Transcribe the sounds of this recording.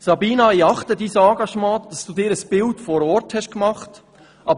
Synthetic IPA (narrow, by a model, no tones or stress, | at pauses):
sɑbiːnɑiɑχtədiːsɑ̃ːɡɑʃmɑ̃ːd̥ɑsd̥uːdɪːɾəsb̥ɪltfɔːɾɔɾthɛʃkmɑχt | ɑb